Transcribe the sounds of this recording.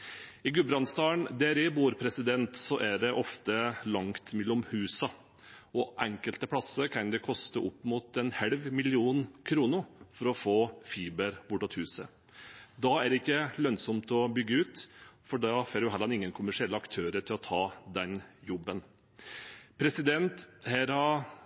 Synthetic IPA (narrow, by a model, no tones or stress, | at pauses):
ɪɡʉbɾɑnst̪ɑːəɳd̪ɛɾɪbuːɾpʰɾɛsɪd̪ɛnt̪sɔʔæɖɛʔɔft̪əlɑŋt̪mɛlːɔmhʉːsɑ | ɔʔɛŋkəlt̪əpʰɽɑsəɾkʰɑnd̪ɛkʰɔst̪əʔɔpːmuːt̪ɛnhɛlʋmɪlɪuːnkʰɾuːnəfɔɾɔfoːfiːbəɾb̥ʊʈːɑt̪hʉːsə | d̪ɑæɾɪkːəlœnsɔmt̪ɔbʏɡːəʉːt̪fɔɖɑfoːɾjʊɦɛlɑnɪŋːənkʰʊmæʂɪɛlːəɑkt̪ʰøːɾəʈʰɪlɔt̪ʰɑːd̪ɛnjɔbːən | pʰɾɛsɪd̪ɛnt̪hæɾhɑ